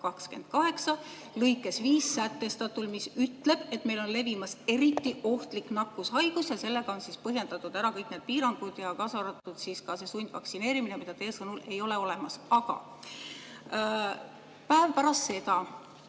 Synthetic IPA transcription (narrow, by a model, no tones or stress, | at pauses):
kɑkske̞̰nd̪̥̚kɑɦe̞ksɑ | lɤjkːˑe̞sviːsːæt̪ːe̞st̪ɑt̪ulmisyt̪ːˑle̞b̥e̞t̪ːˑme̞jlo̞nle̞vimɑse̞ɾit̪ˑːiʔo̞ht̪liknɑkːushɑjɡ̥usjɑse̞lːe̞ɡ̥ɑo̞nsispɤɦje̞nd̪̥ɑt̪ːˑud̪̥æɾɑkɤjkˑne̞ːd̪̚piːɾɑŋɡ̥ud̪̥jɑkɑsɑɾɑt̪ːˑud̪̥siːskɑse̞sunʲd̪̥vɑ̰ksine̞ːɾiminemid̪ɑt̪eːsɤnule̞jo̞le̞o̞le̞mɑsɑɡ̥ɑ̰ | pæevpæɾɑst̪se̞t̪ɑ